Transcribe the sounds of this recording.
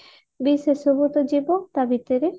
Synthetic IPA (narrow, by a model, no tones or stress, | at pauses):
bisesobut̪od͡ʑibont̪abit̪eɾeɾ